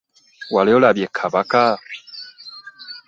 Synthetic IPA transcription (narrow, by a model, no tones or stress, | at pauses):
waleolabjekʰabaka